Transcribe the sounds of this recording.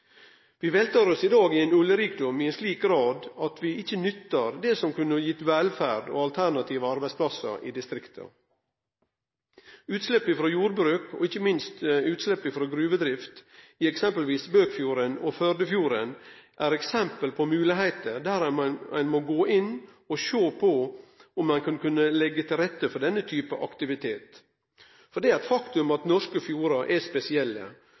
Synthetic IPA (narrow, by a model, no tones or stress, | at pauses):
ʋiːʋeːlt̪ʰɑɾɔsɪd̪ɑːɡɪɛnʉljəɾiːk̚d̪ʊmɪɛnsliːk̚ɡɾɑːd̪ɑt̪ʋɪɪçːənʏt̪ːəɾd̪ɛsɔmkʉnəjɪt̪ʋɛlfæ̰ːɖo̰ːɑlt̪ʰæɳɑt̪ʰiːʋəɑɾbæɪspʰlɑsə̰ɾḭːd̪ɪst̪ɾɪkt̪ʰə̰ | ʉːt̪slɛpːɪfɾoːjuːɾbɾʉːko̰ɪçːəmɪnst̪ʉːt̪slɛpːɪfɾoːɡɾʉːʋəd̪ɾɪft̪iɛksɛmpəlʋiːsbøːkfjuːɾənɔfœɾd̪əfjuːɾənʔæːɾɛksɛmpəlpʰɔmʉːlɪɦæɪt̪əɾd̪æːɾæ̰ɪnmoɡoːʔɪnː | ɔʃoːpʰɔʊmːɑnkʰɑnkʉnːəlɛɡːət̪ʰɪlɾɛt̪ːəfɔɖ̪ɛnːət̪ʰyːpəʔɑkt̪ɪʋɪt̪ʰeːt̪ | fɔɖ̪ɛːæɾɛt̪fɑkt̪ʉmɑt̪nɔʂkəfjuːɾɑʔɛspɛsɪɛlːə̰